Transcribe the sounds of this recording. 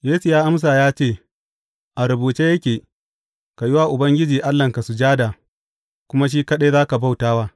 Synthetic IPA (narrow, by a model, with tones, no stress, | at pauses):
jeː˦su˨jaː˦ʔa˦ms̬aː˨jaː˦t͡ʃeː˦˨ | ʔa˨ɾʊ˨buː˨t͡ʃeː˦jɐ˦kʲeː˨ | ka˨jɪ˦waː˦˨ʔʊ˨bɐ˦ŋɡʲɪ˦d͡ʒiː˨ʔa˦lːɐ˨ŋka˨su˨d͡ʒaː˦daː˨ | kʷʊ˦ma˦ʃ̬iː˦kɐ˦ɗe˦zaː˦ka˨ba˦wtaː˦waː˦